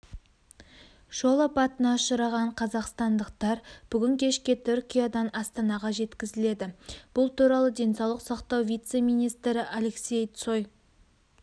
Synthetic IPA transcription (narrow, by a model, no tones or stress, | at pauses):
ʒ̥o̞lˠəpɑt̪ənɑʊʃəɾɑʁɑɴqʰɑzɑqst̪ɑnd̪əq̚t̪ɑɾb̥ʏɡʲɪŋkʲʰe̞ʃkʲe̞t̪ʰʏɾkʲijad̪ɑnɑst̪ɑnɑʁɑʒe̞t̪kʲɪzɪle̞d̪ɪb̥ʊlˠt̪uɾɑlˠəd̪ʲe̞nsɑwlˠəqsɑqt̪ɑwvʲijt̪se̞mijnijst̪ɾɪʔale̞ksʲe̞jt̪so̞j